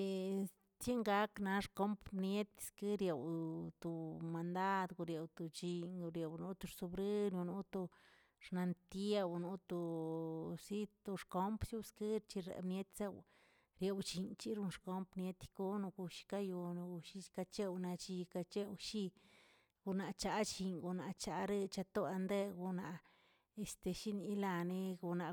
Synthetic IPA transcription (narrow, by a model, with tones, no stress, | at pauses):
t͡sje˦ŋɡa˧˦kna˧ʂko˦mpnje˦t̪skɨ˦ɾje˨wt̪u˨ma˧nd̪a˦d̪ɡu˧ɾje˨wt̪u˧t͡ʃi˧ɲu˧ɾje˨wnu˧˦t̪u˧ɾsu˧bɾɨ˦nu˧nu˦t̪o˧ | ʂna˧nt̪i˦e˧wnu˧˦t̪o˧ | si˦t̪u˧ʂko˦mpsju˦skɨ˦ɾt͡ʃi˧ɾḛ˨bnje˦t̪se˧w | ɾje˧wt͡ʃi˧nt͡ʃi˦ɾu˧nʂko˦mpnje˦t̪ko˦nu˧ɡu˧ʃi̥˧ka˦jo˧nu˧ɡu˧ʃi˦ka˧t͡ʃe˦wna˧t͡ʃi˧ka˧t͡ʃe˦˧wʃi˦ | ɡ̥u˧na˨ʔt͡ʃa˧˦t͡ʃi˧ŋɡo˧na˨t͡ʃa˧ɾe˦˧t͡ʃa˧t̪o˦a˧nd̪e˦˧ɡu˧na˨ | e˧st̪e˧ʃi˦ni˧˦la˧ni˧ɡo˧na˨